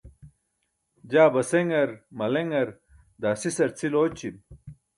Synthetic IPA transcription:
d͡ʑaːbɐseŋɡɐɾmɐleŋɡɐɾ | d̪aːsisɐɾt͡sʰiloːt͡ɕim̚

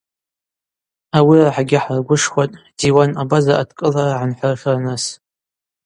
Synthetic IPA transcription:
awiraħaɡʲɪħrɡʷʊʂχʷatʼd̥iwanabazaʔadkʼɨlaraʕanħʷarχʲarnas

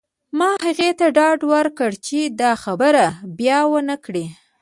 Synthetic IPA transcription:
mɑhaɣet̪aɖɑɖwəɾkəɽt͡ʃed̪ɑxabəɾabjɑwənakɽi

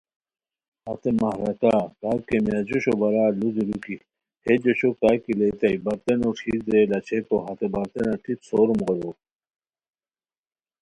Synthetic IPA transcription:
hɐt̪emɐhɾɐkaːkaːkemjad͡ʑoɕobɐɾaːluziɾuki | hed͡ʑoɕokakilet̪ɐibɐɾt̪enoʈ͡ʂʰiːd̪ɾelɐt͡ɕʰekoɦɐt̪ebɐɾt̪enaʈʰipsoːɾmɣolo

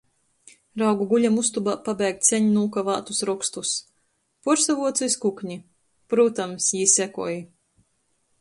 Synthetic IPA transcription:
ɾawɡuɡuʎʲamust̪ubapabɛjk̚t̪sʲɛɲinuːkava̰ːt̪usɾɔkst̪us | puɾsavuɔt̪siskukɲi | pɾuːt̪amsjisækuɔji

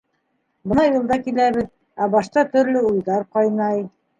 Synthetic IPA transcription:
bɤ̆nɑjulˠd̪ɑkilæβɘð | æbɑʃt̪ɑt̪ɵ̆ɾlɵujðɑɾqɑjnɑj

